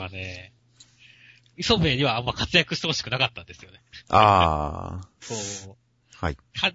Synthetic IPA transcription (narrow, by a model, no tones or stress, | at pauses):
ane̞ | iso̞be̞ːɲ̟iβaːmːakat͡sɨjakɯ̟ɕit̪e̞hoɕi̥kɯ̟nakat̪ːãnd̪e̞sɨjo̞ne̞a̰ | soː | haikʰa